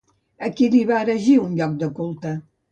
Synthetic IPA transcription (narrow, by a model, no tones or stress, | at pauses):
əkiliβaːɾəʒiunʎɔk̚d̪əkulˠt̪ə